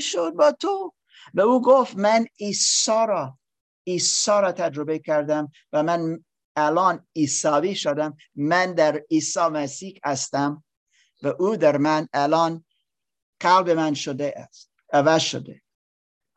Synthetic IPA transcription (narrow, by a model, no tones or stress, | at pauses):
ʃod̪̚bɒːt̪ʰo | væuːɡoft̪mæniːsɒːɾɒ | iːsɒːɾɒːt̪ʰæd͡ʒɾobekʰæɾd̪æm | væmæn | ælɒːniːsɑːviːʃod̪æmː | ænd̪æɾiːsɑːmæsiːhæst̪æm | væʔuːd̪æɾmænælɒːn | qælbemænʃod̪es | ævæzʃo̰d̪e